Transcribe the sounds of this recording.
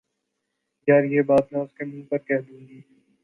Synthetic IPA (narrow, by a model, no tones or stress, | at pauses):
jaːɾjeːbaːt̪nẽʊskemĩːnpɐɾkɛɦd̪ũːŋɡiː